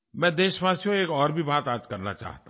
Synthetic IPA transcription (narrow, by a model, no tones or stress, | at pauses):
mɛ̃ːd̪eːʃʋaːsijõeːkɔːɾbʱibaːt̪aːd͡ʒkɐɾna̰t͡ʃa̰ːɦt̪a